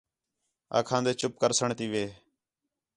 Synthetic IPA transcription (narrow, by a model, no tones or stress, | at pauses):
a̰ːkʰãːnd̪eːt͡ʃʊp̚kəɾsəɳt̪iːʋeː